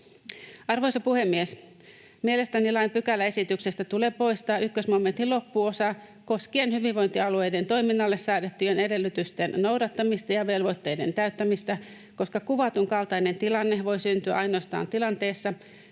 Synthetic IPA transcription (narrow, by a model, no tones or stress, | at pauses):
ɑrʋojsɑpuhemːies | miele̞st̪ænilɑimpykælːæe̞sit̪yksest̪æt̪uleːpo̞jst̪ɑːʔykːøsmoment̪ilo̞pːuosɑ | ko̞skienhyʋiʋʋo̞jnt̪iɑluejdent̪o̞jminːɑlːessæːdet̪ːyenedelːyt̪yst̪ennowdɑt̪ːɑmist̪ɑjɑʋe̞lʋot̪ːejde̞nt̪æyt̪ːæmist̪æ | ko̞skɑkuʋɑt̪uŋkɑlt̪ɑinent̪ilɑnːehʋo̞jsynt̪yæ̰ɑjnoɑst̪ɑ̰ːnt̪ilɑnt̪e̞ːsːɑ